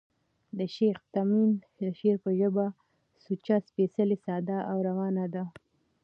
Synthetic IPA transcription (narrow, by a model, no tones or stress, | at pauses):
d̪əʃext̪amin | əʃeɾpəʒəba | sut͡ʃaspesəlesɑːd̪aʔawɾawɑnad̪a